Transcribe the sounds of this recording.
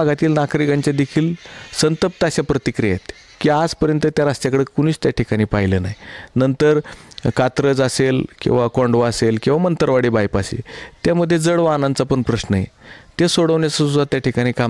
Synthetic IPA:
ɡat̪iːlnakɾikãɲt͡ɕad̪ekʰiːlsənt̪əp̚t̪əaɕapɾət̪ikɾijajet̪ | kiad͡zpəɾjənt̪ət̪jaɾasʈ̪jakəɽekuɽ̃iːt͡st̪jaʈʰikaɽ̃iːpaɦilənaɦjnənt̪əɾkat̪ɾəd͡zaselkḭ̃w̃ʋakɔ̃ɳɖʋəaselkĩw̃ʋamənt̪əɾʋaɽiːbajpasḛt̪jaməd̪ʱːjed͡zəɽʋanãnt͡sapəɳpɾəɕnəɦḛt̪esoɽəʋɳjat͡səsud̪at̪jaʈʰikaɽ̃iːka

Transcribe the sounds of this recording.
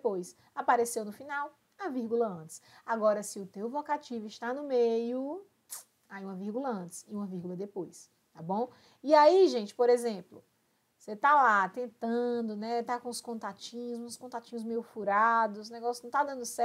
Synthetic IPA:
pojs | apaɾesewnʊfinaw | ɐviɾɡulɐɐ̃t̪ɪ̥saɡɔɾɐsɪʊt̪ewvokat͡ʃivʊɪʃt̪anʊmejʊ | ajũmɐviɾɡulɐɐ̃t̪ɪ̥siũmɐviɾɡulɐd̪epojs | t̪abõw̃ | iaiʒẽt͡ʃɪ̥poɾezẽplʊ | set̪alat̪ẽnt̪ɐ̃d̪ʊnɛt̪akõʊskõnt̪at͡ʃĩɲʊsũskõnt̪at͡ʃĩɲʊzmejʊfuɾad̪ʊsnɛɡɔsjʊ̥ñt̪ad̪ɐ̃nd̪ʊsɛ

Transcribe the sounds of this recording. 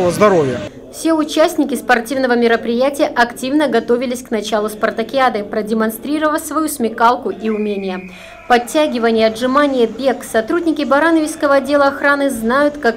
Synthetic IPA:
vəzd̪ɐɾovʲɪjə | fsʲe̞ʊt͡ɕæsʲnʲɪkʲɪspɐrtʲivn̪əvəmʲɪɾəpɾʲɪjætʲɪjəʔɐktʲivnəɡɐt̪o̞vʲɪlʲɪsʲknɐt͡ɕalˠʊspɐrt̪əkʲɪad̪ɨpɾədʲɪmɐnst̪ɾʲiɾəvəsvɐjusmʲɪkalˠkʊʔiʊmʲenʲɪjə | pɐtʲːæɡʲɪvənʲɪjəɐdʐɨmanʲɪjəbʲe̞ksɐt̪ɾudʲnʲɪkʲɪbɐɾanəvʲɪskəvəɐdʲːe̞lˠəɐxɾanɨznajʊt̪kak

